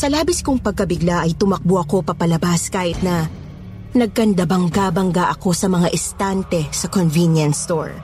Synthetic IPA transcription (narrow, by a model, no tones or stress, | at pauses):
sɐlaːbɪskʊŋpɐɡ̚kɐbɪɡlaʔɐjt̪ʊmɐk̚boʔɐko̞pɐpɐlɐbaskaːhɪt̪̚nɐ | nɐɡ̚kɐnd̪abɐŋkabɐŋɡaʔɐko̞sɐmɐŋaʔɪst̪ant̪ɛsɐkonvinjɐnst̪o̰ɹ